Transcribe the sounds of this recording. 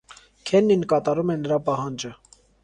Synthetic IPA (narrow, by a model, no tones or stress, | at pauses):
kʰɛnːinkɑt̪ɑɾumɛnːəɾɑpɑɦɑnd͡ʒə